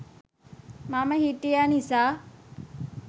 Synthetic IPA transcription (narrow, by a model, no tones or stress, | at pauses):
maːmaɦiʈijaːnĩːsaː